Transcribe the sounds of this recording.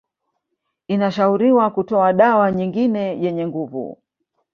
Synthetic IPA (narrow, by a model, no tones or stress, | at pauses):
inaʃauɾiwakutɔaɗawaɲiŋɡinɛjɛɲɛŋɡuvṵ